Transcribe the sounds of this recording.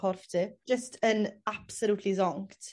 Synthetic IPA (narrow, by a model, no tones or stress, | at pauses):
ɔrftʰɨ̥ʒ̥əstʰənab̥səluːtʰlizɔŋktʰ